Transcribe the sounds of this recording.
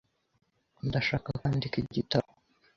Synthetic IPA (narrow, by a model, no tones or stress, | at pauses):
ndaʃaːkakaːndikiɟitao